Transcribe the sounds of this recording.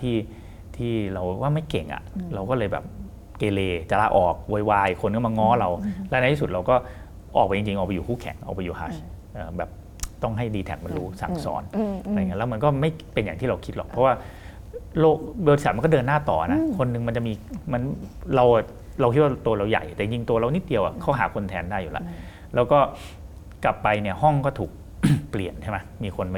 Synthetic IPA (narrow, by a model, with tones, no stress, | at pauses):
t̪ʰiː˥˩ | t̪ʰiː˥˩ɾa˧wwaː˥˩ma˥˩jke˨˩ŋʔa̰˨˩ʔɾa˧wkɔː˥˩lɤː˧jbɛ̰˨˩p̚ | keː˧leː˧t͡ɕa˧laː˧ʔɔː˨˩k̚wo˧jwaː˧jkʰo˧nkɔː˥˩ma˧ŋɔː˦˥ɾa˧wlɛ˦˥n˧˥t̪ʰiː˥su˨˩t̪̚ɾa˧wkɔː˥˩ | ʔɔː˨˩k̚pa˧ji˧ŋt͡ɕi˧ŋʔaː˨˩pa˧juː˨˩kuː˥˩kʰɛ̰˨˩˦ŋʔa̰˧˩pa˧juː˨˩ha̰ː˨˦˩ | ʔɤː˨˩bɛː˨˩p̚ | t̪ɔ˥˩ŋɦa˥˩jdiː˧t̪ʰɛ̰˨˩k̚ma˧nɾuː˦˥sa̰˩˦ŋsɔ̰ː˩˦n˨ɾa˧ŋi˦˥lɛ˦˥m˧nkɔː˥˩ma˥˩jpe˧njaː˨˩ŋt̪ʰiː˥˩ɾa˧wkʰi˦˥t̪̚lɔ̰˨˩kpʰɔ˦˥waː˥˩ | loː˥˩k̚bːt̪i˧sa˨˩t̚m˧kɔː˥˩dɤː˧nːaː˥˩t̪ɔː˨˩na˦˥kʰo˧nːɯ˨˧ŋma˧nt͡ɕa˨˩ʔmiː˧ma˧nɾa˧wʔ | ɾa˧wkʰi˦˥wa˥˩t̪u˧ɐ˧ɾa˧wja̰˨˩jt̪ɛ˨˩i˨˧ŋt͡ɕi˧ŋt̪u˧ɐɾa˧wni˦˥t̪̚di˧əwʔa̰˨˩kʰa˦˥ɦa̰ː˩˦kʰo˧nt̪ʰɛː˧ndaː˥˩jːu˨la̰˦˥ʔ | lɛː˦˥wkɔː˥˩ | kla˨˩pːa˧jni˥˩əhɔ˥˩ŋkɔː˥˩t̪ʰuː˨˩k̚ | pli˨˩ənt͡ɕʰa˥˩ma˦˥jmiː˧kʰo˧nm˧